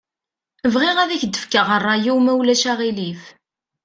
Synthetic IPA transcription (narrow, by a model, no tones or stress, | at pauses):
əvʁiʁæðæçd̪əfkəʁərˤːɑjuwmæwlæʃæʁilif